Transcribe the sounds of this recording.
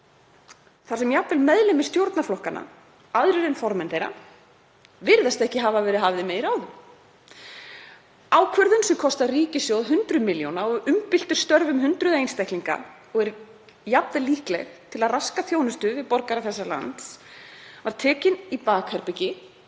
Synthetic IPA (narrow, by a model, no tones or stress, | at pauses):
θaɾ̥sɛmjapvɪlmɛðlɪmɪ̥st̪jowɾt̪naflɔhkanʔa̰ | aðɾʏɾɛnfɔɾmɛnθejɾa̰ | vɪɾðast̪ɛhcɪɦavavɛːɾɪðɦaːvɪðmeːjðɪɾaːwðʏm | aːwkʰvœɾðʏnsɛmkʰɔst̪ariːcɪsjowðɦʏnt̪ɾʏmɪljownaɔɣʏmpɪl̥t̪ʏɾ̥st̪œɾvʏmɦʏnt̪ɾʏðejnst̪ahk̪liŋka̰ | ɔɣɛɾ | japðɪliːhklɛ̰ɣt̪ʰɪlaðraskaθjownʏst̪ʏvɪðpɔɾkaɾaθɛsːala̰nt̪svaɾ̥t̪ʰɛːcɪnipaːkhɛɾpɪcɪ